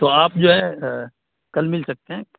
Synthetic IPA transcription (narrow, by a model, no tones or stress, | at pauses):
t̪oːaːpd͡ʒoːɦɛ | kɐlmɪlsɐk̚t̪eɦɛ̃ː